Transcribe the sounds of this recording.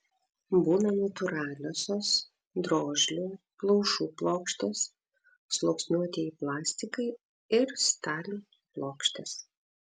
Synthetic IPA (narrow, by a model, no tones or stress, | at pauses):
buːnɐnɐt̪ʊɾɑːlʲoːsʲoːs | d̪ɾoːʒʲlʲuː | plˠɒʊʃuːplˠoːkʃʲt̪ʲes | slˠoːksʲnʲuɔt̪ʲiiplˠɑːsʲt̪ʲɪkɐɪ | ɪɾst̪ɑːlʲu | plˠoːkʃʲt̪ʲes